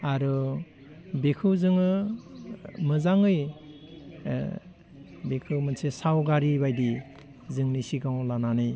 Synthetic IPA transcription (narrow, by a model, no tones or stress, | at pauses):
aɾɯ | bekʰɯwzɯŋɯ | mɯzaŋɯj | bekʰɯwmɯnsesawɡaɾibajdi | zɯŋnisiɡaŋwlananɯj